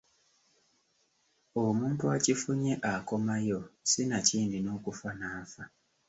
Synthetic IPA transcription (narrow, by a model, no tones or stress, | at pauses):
omuːntuacifuɲeʔako̞majosinaciːndino̞ːkufanaːfa